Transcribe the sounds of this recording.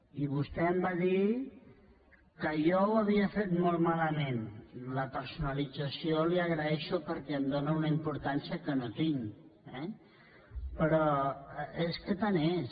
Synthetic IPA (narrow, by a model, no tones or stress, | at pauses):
iβ̞ust̪ɛəmbaði | kəjɔwəβiəfet̪molˠmaləmenləpəɾsunəlid͡zəsioliəɣɾəɛʃupəɾkɛəmd̪onəunəimpuɾt̪ansiəkənot̪iŋ | ɛ | pɾɔ | eskət̪anes